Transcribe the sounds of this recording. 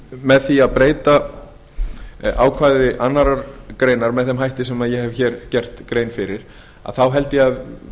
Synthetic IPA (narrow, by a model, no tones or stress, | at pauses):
mɛðθiaðpɾeːjt̪a | a̰ːwkʰvaːjðɪʔanːaɾaɾkɾeːjnaɾmɛðθɛmɦajht̪ɪsɛmaðjɛhɛvçɛːɾcɛr̥t̪kɾeːjnfɪɾɪɾ̥ | a̰ðθawɦɛlt̪ɪjɛað